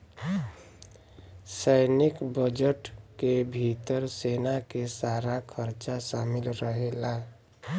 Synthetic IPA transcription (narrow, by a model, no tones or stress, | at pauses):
səɪnɪkbəd͡ʒəʈkebʱit̪əɾseːnakesaːɾakʰəɾt͡ʃaʃaːmɪlɾəɦela